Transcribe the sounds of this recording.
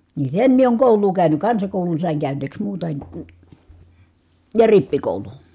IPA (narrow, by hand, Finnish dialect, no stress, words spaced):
ni sen mie oːŋ koˑulˑuː kæyny kɑnsɑkoˑulun sɑˑiŋ kæˑyneːks muːtɑ en jɑ ripːikoˑulun